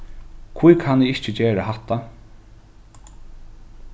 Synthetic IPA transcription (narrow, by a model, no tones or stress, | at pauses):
kʰvujkʰanɪɪht͡ɕɪt͡ɕeːɾaɦat̪ːa